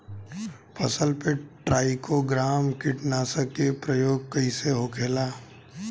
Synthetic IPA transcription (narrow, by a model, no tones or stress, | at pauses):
pʰɐsəlpeʈɾaːɪkoɡɾaːmkɪʈnaːsəkepɾəjoːɡ̚kɐiseɦoːkʰeːlaː